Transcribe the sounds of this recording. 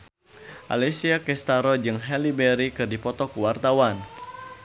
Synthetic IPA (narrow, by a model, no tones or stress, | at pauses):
ʔa̰lɛsiakɛst̪aɾɔd͡ʒɨŋɦɛlibɛɾikɨrdipɔt̪ɔkuwart̪awan